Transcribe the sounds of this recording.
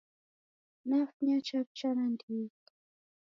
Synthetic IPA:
nafɲat͡ʃap̚t͡ʃanand̪it̪

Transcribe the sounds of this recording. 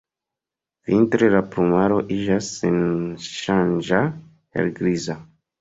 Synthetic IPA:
v̥intɾelapɾumaɾo̞ʔid͡ʒasːenʃand͡ʒa | hḛɾɡɾiza

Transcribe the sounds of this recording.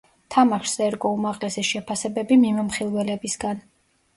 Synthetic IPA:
t̪ʰamaʃsɛɾɡɔumaʁlɛsɛʃɛpʰasɛbɛbimimɔmχilˠwɛlɛbisɡan

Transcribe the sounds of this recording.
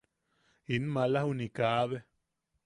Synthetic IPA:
inmalahunikaʔβe

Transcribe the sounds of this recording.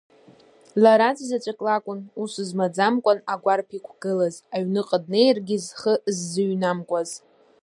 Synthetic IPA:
laɾad͡zʼzat͡ʃʷʼakʼlakʷʼʊnusuzmad͡zamkʷʼanaɡʷarpʰikʷʰɡ̥ɨlazaɥnɨqʼəd̚ne̞jrɡʲɪzχəzːɨɥnamkʷʼaz

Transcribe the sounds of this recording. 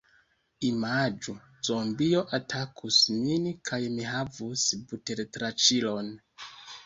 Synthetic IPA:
imad͡ʒu | z̥ombio̞ʔatʰakʰusminkʰajmiɦavusbute̞ɾtɾat͡ʃilo̞n

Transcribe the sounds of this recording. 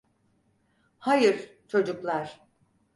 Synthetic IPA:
hajɯɾt͡ʃʰo̞d͡ʒuklˠaɾ̥

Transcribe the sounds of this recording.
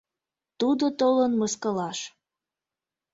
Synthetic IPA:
t̪ud̪ot̪olənməskəlɑʃ

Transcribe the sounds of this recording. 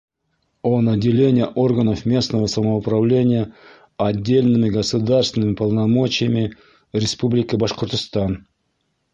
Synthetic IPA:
onɐdʲːɪlʲenʲɪjəʔo̞rɡənəfmʲe̞snəvəsəməʊpɾɐvlʲenʲɪjə | ɐdʲːelʲnɨmʲɪɡəsʊd̪arsvʲɪnɨmʲɪpəlˠnɐmo̞t͡ɕɪjəmʲɪ | ɾʲɪspublʲɪkʲɪbɐʂqərt̪əst̪ɑn

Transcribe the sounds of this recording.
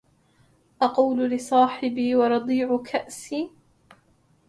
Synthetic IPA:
ʔɑquːllɪsˤɑːħɪbiːwɑɾˤɑd̪ˤiːʕʊkʰaʔsiː

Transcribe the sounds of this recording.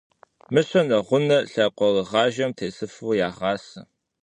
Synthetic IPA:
mɨɕʷɐnɐʁʷʊnɐɬɐqʷɔrɨʁɑːʒɐmtʰeːsɨfuːjaːʁɑːsɐ

